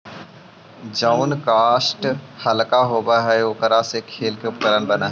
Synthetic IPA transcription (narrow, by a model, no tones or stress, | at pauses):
d͡ʒaʊnkaːsʈhɐlkaɦoːbaɦɛokəɾasekʰeːlkepkəɾənbɐnaɦ